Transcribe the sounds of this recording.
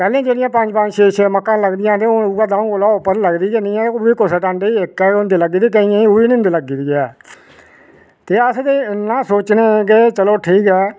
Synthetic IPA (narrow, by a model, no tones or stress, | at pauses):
pɛːlẽːd͡ʒeːɽɪjãːpəɲd͡ʒpəɲd͡ʒʃeːʃeːməkːãːləɡd̪ɪjãːt̪eːouɡaːd̪ãːũːoːlaːʊpːəɾləɡd̪iːenɪ̃ːãʊiːkʊseʈãːɳɖeiːɪkːɛːʊnd̪eːləɡːiːd̪eːk̬əĩãːiʊiːnɪ̃nd̪eːləɡiːd̪iːɛː | t̪eːəsd̪eːnãːsoːt͡ʃneːɡeːt͡ʃəloːʈʰiːkɛː